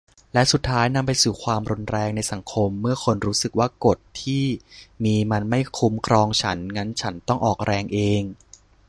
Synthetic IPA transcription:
lɛ˦˥su˨˩t̪ʰːaː˦˥jna˧mpa˧jsuː˨˩kʰwaː˧mɾu˧nɾɛː˧ŋna˧jsa˩˦ŋkʰo˧mːɯ˥˩ɐkʰo˧nɾuː˦˥sɯ˨˩k̚waː˥˩ko˨˩t̪ʰːiː˥˩miː˧ma˧nma˥˩jkʰu˦˥mkʰɾɔː˧ŋt͡ɕʰa˦˥nŋa˦˥nt͡ɕʰa˦˥nt̪ɔ˥˩ŋʔɔː˨˩k̚ɾɛː˧ŋʔeː˧ŋ

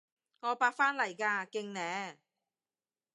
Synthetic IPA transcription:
ŋɔː˨˧paː˧k̚faː˥nlɐ˨˩jkaː˧kɪ˧ŋnɛː˨˧˥

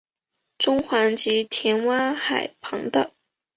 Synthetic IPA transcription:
ʈ͡ʂʊ˥ŋxwa˧˥nt͡ɕi˧˥t̪ʰjɛ˧˥nwa˥xa˨˩ɪpʰɤ̰˧˥ŋd̪ə˧

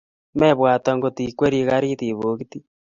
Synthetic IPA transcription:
mɛ˦βwa˨ta˨ŋɡo˨ti˨kwe˦ɾi˦ɣa˦ɾi˦ti˨βo˨˦ɣiti˦

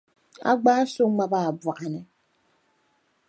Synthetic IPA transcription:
a̰˦ɡ͡baː˦so˦ŋ͡m̩˦a˦ba˦˨bwa˨ʔa˨nɛ˨

